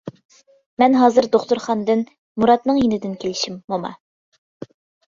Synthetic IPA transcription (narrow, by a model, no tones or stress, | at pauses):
mɛnɦɑːzɨɾd̪oχt̪uɾχɑnd̪ɨn | muɾɑt̪nɨŋjinɪd̪ɪnkʲʰelɪʃimːomɑ̰